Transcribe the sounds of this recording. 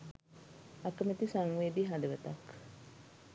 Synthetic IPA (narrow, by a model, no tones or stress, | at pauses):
akːəmit̪isaŋʋeːd̪iɦad̪eʋət̪ak